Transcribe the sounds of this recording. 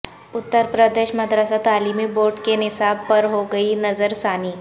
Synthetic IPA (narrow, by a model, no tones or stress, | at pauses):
ʊt̪ːəɾpɾəd̪eːʃməd̪ɾəsat̪aːliːmiboːɾʈkenɪsaːb̚pɐɾɦoɡɐinɐzəɾsaːniː